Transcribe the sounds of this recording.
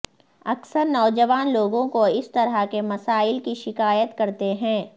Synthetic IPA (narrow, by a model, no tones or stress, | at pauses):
ɐksəɾnɔːd͡ʒəʋaːnloːɡõkoɪst̪ɐɾəkemɐsaːɪlkiʃɪkaːjət̪kɐɾt̪eɦɛ̃ː